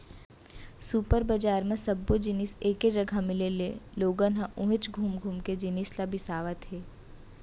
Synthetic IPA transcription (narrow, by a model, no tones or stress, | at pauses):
suːpəɾbɐd͡ʒaːɾmẽsɐbːod͡ʒɪniseːked͡ʒɐɡʱamɪleleloːɡənɦãʔʊ̃ɦɪt͡ʃɡʱuːmɡʱuːmked͡ʒɪnislabɪsaːʋat̪ʰɦeː